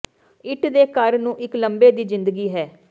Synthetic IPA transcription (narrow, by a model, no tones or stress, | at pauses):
ɪʈd̪eːkəɾnũːʔɪkləmbeːd̪iːzɪ̃nd̪əɡiːɦɛː